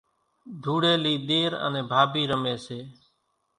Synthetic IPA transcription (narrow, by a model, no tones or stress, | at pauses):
d̪ʱuːɽeːliːɗ̪eːɾə̰nẽːbʱaːbiːɾəmeːseː